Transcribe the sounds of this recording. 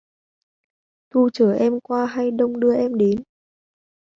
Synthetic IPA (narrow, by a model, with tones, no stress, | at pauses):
t̪u˧t͡ɕəː˧˩ʔɛ˧mkwaː˧ɦa˧jɗə˧wŋ͡mɗɨ˧əʔɛ˧mɗe˨˦n